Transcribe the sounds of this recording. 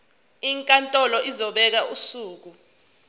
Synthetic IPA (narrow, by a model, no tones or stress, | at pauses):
iŋkʼantʼɔlɔʔizɔɓɛk̬ausuːk̬u